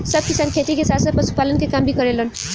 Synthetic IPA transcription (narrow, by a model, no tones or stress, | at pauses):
səb̚kɪsaːnkʰet̪ikesaːt̪səpəsu̥paːlənkekaːmbʱikəɾelən